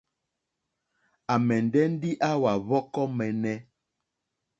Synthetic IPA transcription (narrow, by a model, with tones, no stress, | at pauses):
a˨mɛ˨n˨dɛ˦n̩˦di˦ʔa˦wa˨βɔ˦kɔ˦mɛ˨nɛ˦